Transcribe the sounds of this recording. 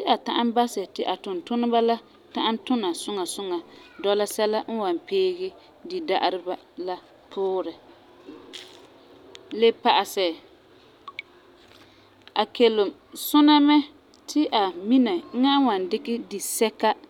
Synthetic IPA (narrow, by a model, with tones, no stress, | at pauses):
tɪ˦ʔa˨ta˦ʔa˦mba˦sɛ˨tɪ˨ʔa˨tʊ˨ntʊ˦nɪ˦ba˦la˦ | ta˦ʔa˦n˦tʊ˦na˨sʊ˦ŋa˨sʊ˦ŋa˨dɔ˦la˦sɛ˦la˦n̩˦wa˨mpeː˦ɡɪ˦ | di˨da˦ʔa˦ɾɪ˦ba˦ | la˦ | pʰʊː˦ɾɪ˨ | lɪ˦pa˨ʔa˨sɛ˨ | a˨ke˨lʊ˨m | sʊ˦na˦mɛ˦ | tʰɪ˦ʔa˨mi˦na˨ŋ̩˦ŋa˦wa˨ndɪ˦kɪ˦di˨sɛ˦ka˦